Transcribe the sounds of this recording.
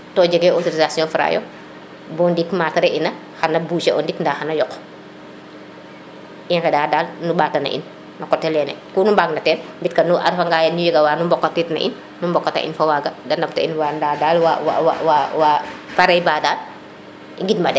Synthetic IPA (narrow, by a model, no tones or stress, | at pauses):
tɔːd͡ʒɛɡɛɔtoɾizasijɔ̃ːfɾa̰jɔ̰ | bɔndikmaːtɐɾɛʔinɐ | xɐnɐbuːt͡ʃɛʔɔndikndaxɐnɐjɔkː | ʔinkɛdaːdaːlnubaːtɐnɐ̰ʔḭn | nɐkɔtːɛlɛnɛ̰kuːnumbaɡnɐtɛːnmbit̚kɐnuʔɐ̰ɾfɐŋɡajɐnujɛɡɐwaːnumbɔkːɐtitnɐ̰ʔḭn | numbɔkːɐtɐ̰ʔḭnfɐwaːɡɐdɐndɐftɐ̰ʔinwandadaːlwawa̰wa̰wawapaɾɛjbaːdaːl | iɡitmɐdɛ